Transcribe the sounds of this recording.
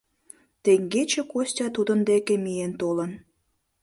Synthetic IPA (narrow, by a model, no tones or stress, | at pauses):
t̪eŋɡet͡ɕĕkosʲtʲɑt̪ud̪ə̆nd̪ekemijent̪olən